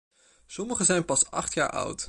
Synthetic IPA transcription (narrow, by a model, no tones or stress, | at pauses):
sɔməχəzɛjnpɑsɑ̰χtja̰ːɹʔʌ̰wt